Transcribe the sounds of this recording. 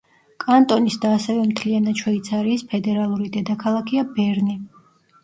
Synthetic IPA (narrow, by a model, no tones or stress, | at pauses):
kʼant̪ʼɔnisd̪aːsɛvɛmt̪ʰlianat͡ʃʰwɔit̪sʰaɾiːspʰɛd̪ɛɾalˠuɾid̪ɛd̪akʰalˠakʰiabɛɾni